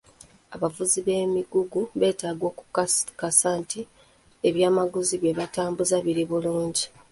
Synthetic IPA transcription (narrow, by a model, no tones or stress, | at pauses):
aβavuziβe̞miɡuɡuβe̞ːtaːɡwo̞ːkukasaːnti | e̞βjaːmaɡuziβeβataːmbuzaβiɾiβuluːɲɟi